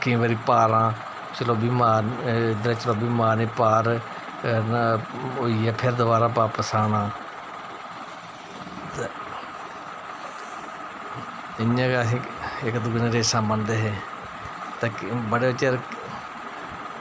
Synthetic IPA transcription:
kɪ̃ːʋəɾiːpaːɾãː | t͡ʃloːbiːmaːd̪ɾeːt͡ʃəloːbiːmaːneːpaːɾ | oiːɛːpʰɪɾd̪əbaːɾaːpaːpəsaːnãː | t̪ː | ɪãːɡaɪkd̪ʊɡneɾeːsãːbənd̪eːɦɛː | t̪eːkbəɽeːbət͡ʃːeɾ

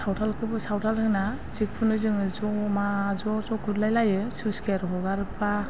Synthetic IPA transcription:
sawtʰalkʰɯbɯsawtʰalhɯna | sik̚pʰunɯzɯŋɯzɔmazɔzɔkʰutlajlajɯsɯskaɾɦɔɡaɾɯpa

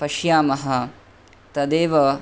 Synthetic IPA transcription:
pɐʃjaːmɐɦɐ̆ | t̪ɐd̪eːʋɐ

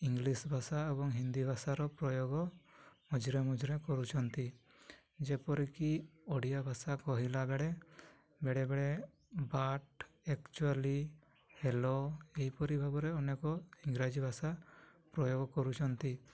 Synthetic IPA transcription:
iŋɡlisbʱasaɛbɔŋɦind̪ibʱasaɾɔpɾɔjoɡɔmɔd͡ʒɾɛmɔd͡ʒɾɛkɔɾut͡ʃʰɔnt̪i | d͡ʒɛpɔɾikiɔɽijabʱasakɔɦilabɛɽɛ | bɛɽɛbɛɽɛ | baʈ̚ | ɛkt͡ʃuali | hɛlɔejpɔɾibʱabɔɾɛɔnɛkɔiŋɾad͡ʒibʱasapɾɔjoɡɔkɔɾut͡ʃʰɔnt̪i

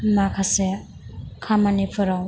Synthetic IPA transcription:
makʰase | kʰamanipʰɯɾaw

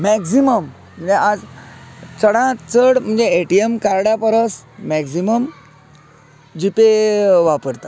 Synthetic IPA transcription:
mɛksiməm | m̤əɳd͡zeʔad͡z | t͡səɽãt͡səɽm̤əɳd͡zeeʈiemkaɾɽjapəɾəsmɛksiməm | d͡ʑipeʋapəɾt̪a

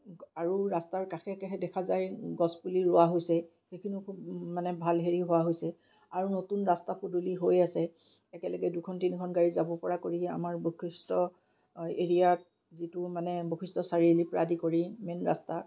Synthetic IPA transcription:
aɹuɹastaɹkaxɛkaxʰɛdɛkʰazajɡɔspuliɹʊwaɦojsɛ | xejkʰinukʰubmanɛbʱalɦeɹiɦʊwaɦojsɛ | aɹunotunɹastapʰuduliɦojasɛ | ɛkɛlɔɡɛdukʰɔntinikʰɔnɡaɹizabɔpɔɹakoɹia̰maɹbokʰɹistɔ | eɹijat̚ | zitʊmanɛbokʰistɔsaɹilipɹa̰dikoɹimɛnɹa̰sta

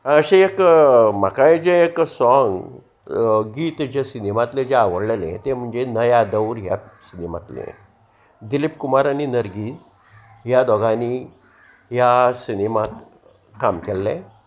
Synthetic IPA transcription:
əɕeekm̤akad͡ʑeeksɔŋɡ | ɡiːt̪d͡ʑesinimat̪led͡ʑeaʋəɽlelḛ̃t̪em̤əɳd͡zenəjad̪əwɾɦja̰sinima̰t̪lḛ̃ | d̪ilipkumaɾaninəɾɡiːd͡z | ɦjad̪ɔɡani | jasinimat̪ | kamkɛlːẽ

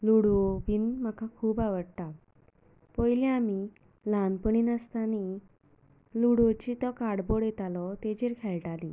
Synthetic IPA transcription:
luɽoʋiːnmakʰãkʰuːbaʋəɽt̪a | pɔjliami | lanpəɳiːnast̪ani | luɽot͡ɕit̪ɔkaɽboɽjet̪alɔt̪ed͡ʑeɾkʰɛɭʈalĩ

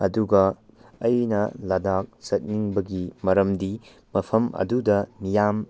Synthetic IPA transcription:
ɐduɡɐː | jnɐlɐdak̚sɐt̚niŋbɐɡimɐɾɐmdi | mɐpʰɐmɐ̰dudɐnijam

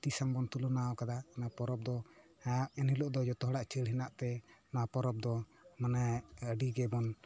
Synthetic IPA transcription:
t̪isaŋbɔnt̪ulunaɔkad̪aanapɔɾɔp̚d̪ɔ | ɛnilɔʔd̪ɔd͡ʒɔt̪ɔɦɔɽaʔt͡ʃəlɦinaʔt̪ɛnɔapɔɾɔp̚d̪ɔmanaəɖiɡɛbɔn

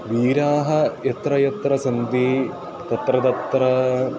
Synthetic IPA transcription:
ʋiːɾaːɦɐjɐt̪ɾɐjɐt̪ɾɐsɐnd̪i | t̪ɐt̪ɾɐt̪ɐt̪ɾɐ

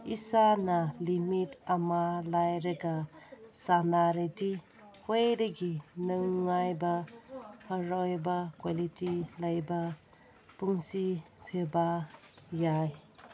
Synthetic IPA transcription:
isanalimitamalajɾɐɡasanaɾidi | hojdeɡinɯŋːajbahɐɾojbakwalitilajba | puŋsi | pʰeba | jaj

